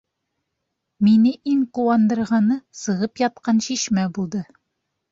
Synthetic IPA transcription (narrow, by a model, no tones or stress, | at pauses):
minɘʔiŋquwɑnd̪ɤ̆ɾʁɑnɤsɤ̆ʁɤpjɒt̪̚qɑnɕiʃmæbulˠd̪ɤ